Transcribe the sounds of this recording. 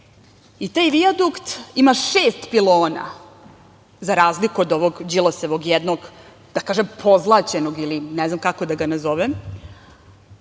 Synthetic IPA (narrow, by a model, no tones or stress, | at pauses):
it̪aːjʋiad̪ukt̪imaʃeːst̪piloːna̰ | zaɾaːzlikuod̪oʋoɡd͡ʑilˠoseʋo̞ɡjɛd̪noɡ | d̪̥akaːʒempʰo̞zlˠat͡ɕenoɡilinɛznamkako̞d̪aɡanazoʋem